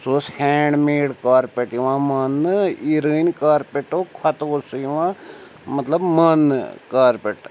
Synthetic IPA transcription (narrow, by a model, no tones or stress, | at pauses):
soːshɛ̃ːɳɖmeːɽkaːɾpeʈjiʋãːmɐniɾənʲkaːɾpeʈoːkʰɐt̪oːsujiʋãː | mɐt̪ləbmɐnkaːɾpeʈ